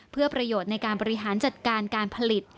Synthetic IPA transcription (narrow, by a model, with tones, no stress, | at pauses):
pʰɯ˥˩ɐpɾa˧joː˨˩t̪̚na˧jkaː˧nbɔː˧ɾi˦˥ɦaː˩˦nt͡ɕa˨˩t̪̚kaː˧nkaː˧npʰa˧li˨˩t̪̚